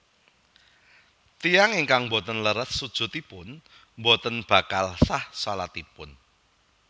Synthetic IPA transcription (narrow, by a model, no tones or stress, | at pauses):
t̪ijaŋiŋkaŋmbɔt̪ənləɾət̪̚sud̥ʒ̥ṳt̪ipʊn | mbɔt̪ənb̥a̤kalsahsalat̪ipʊn